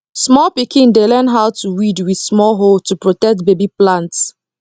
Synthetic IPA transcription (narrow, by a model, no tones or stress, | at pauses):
smɔlpikĩndelɛ̃ndɦawtʰuwidwiθsmɔlɦoltupɹotɛk̚tbebiplãnts